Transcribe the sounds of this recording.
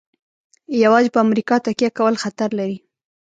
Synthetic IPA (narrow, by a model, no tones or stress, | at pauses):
jawɑd͡ʒpəamɾikɑt̪akjakawəlxat̪aɾlaɾi